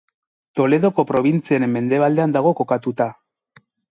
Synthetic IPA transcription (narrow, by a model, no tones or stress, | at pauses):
t̪o̞le̞ð̞o̞ko̞pɾo̞β̞int͡sieɾemːe̞nd̪e̞βald̪e̞and̪aɣ̞o̞ko̞kat̪ut̪a